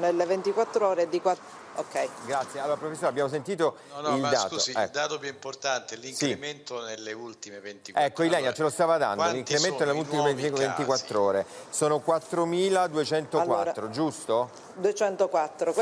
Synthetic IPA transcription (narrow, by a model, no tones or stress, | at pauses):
nelevent̪ikwat̪ːɾooːɾed̪ikwa | okːɛjɡɾat̪sːjealoːɾapɾofesːoɾeabjaːmos̬ent̪iːt̪o | ildd̪aːt̪oɛd̪aːt̪opjuimport̪ant̪eliŋsiement̪onelːeult̪imevent̪iɛkːoilɛɲːat͡ʃelost̪aːvad̪a̰nd̪oliŋk̪kɾement̪onelːeult̪imeevent̪ikwat̪ːɾoːɾesoːnokwat̪ːɾomiːlad̪uet͡ʃɛnt̪okwa̰t̪ːɾod͡ʒust̪o | d̪uet͡ʃɛnt̪okwat̪ːɾo